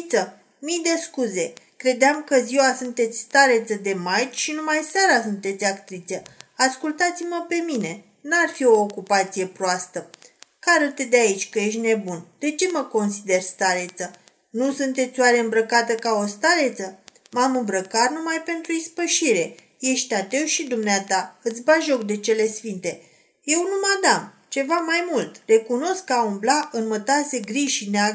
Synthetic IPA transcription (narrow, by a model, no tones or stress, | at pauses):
t̪sə | mijd̪e̞skuze̞kɾe̞d̪eamkəziwasunt̪e̞t̪sʲst̪aɾe̞t̪səd̪e̞majt͡ʃʃinumajsaɾasunt̪e̞t̪sʲakt̪ɾit̪sʲəaskult̪at̪siməpe̞mine̞ | nuarfio̞ːkupat̪sije̞pɾoast̪əkaɾət̪ed̪eait͡ʃʲkəje̞ʃ̬t̪ʲne̞bund̪̥e̞t͡ʃe̞məko̞nsid̪e̞rst̪aɾe̞t̪sə | nusunt̪e̞t̪sʲowaɾeɨmbɾəkat̪əkao̞st̪aɾe̞t̪sə | mamɨmbɾəkat̪numajpe̞nt̪ɾuispəʃiɾe̞ | je̞ʃt̪at̪e̞wʃid̪umneat̪aɨt̪sʲbaʒo̞k̚d̪e̞t͡ʃe̞le̞sfint̪e̞ | je̞wnumad̪am | t͡ʃe̞vamajmult̪re̞kuno̞skkːəaumblaʔɨnmət̪ase̞ɡɾiʃineaɡ